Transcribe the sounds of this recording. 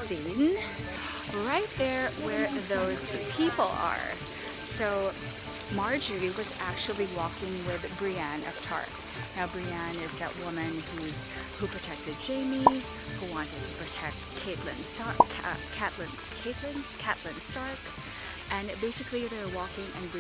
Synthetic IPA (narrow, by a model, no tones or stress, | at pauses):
sĩ | n | ɹaɪt̪̚ðə˞wə˞ðoʊz̥ | pʰipl̩ˠə̰˞ | soʊ | mɑɹd͡ʒə˞iwʌzæk̚t͡ʃul̩ˠiwɔkɪ̃ŋwɪðbɹiæ̃nɨ̰vtʰɑ̰ɹk | naʊbɹiæ̃nɪzðɨ̰ʔ̚wʊmɨ̃nhuz̥ | hupʰɹ̥ɨtʰɛk̚tɨd̚d͡ʒẽɪ̃mi | huwɑ̃ntɨd̚tʰɨ̥pʰɹ̥ɨtʰɛk̚t̚kʰeɪtˡlɨ̰̃nstʰ | kʰæʔˡlɨ̃n | kʰeɪtˡlɨ̃n | kʰæʔˡlɨ̃nstɑɹk | ɨ̃nbeɪsɨkliðəwɔkɪ̃ŋɨ̰̃nb